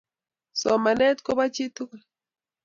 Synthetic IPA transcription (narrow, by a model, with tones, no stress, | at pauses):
so˨ma˨ne˦t̪ko˦ba˦t͡ʃi˦t̪u˦ka˨